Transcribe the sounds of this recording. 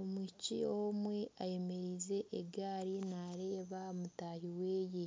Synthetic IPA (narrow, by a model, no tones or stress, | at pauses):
omwicḭomwe̞aje̞me̞ɾize̞ʔːɡaːɾinaɾe̞ːβamutaːhiweːje